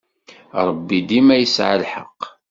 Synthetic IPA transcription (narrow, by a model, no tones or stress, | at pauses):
ɾˤəbːid̪imæjəsʕa̰lħə̰q